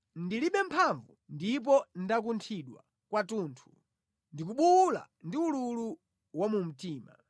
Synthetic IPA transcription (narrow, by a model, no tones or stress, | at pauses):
ndiliɓɛm̩pʰaɱvundip̬ɔndak̬untʰiɗwa̰ | kwatuːntʰu̥ | ndik̬uɓula̰ | ndiululu | wamum̩tiːma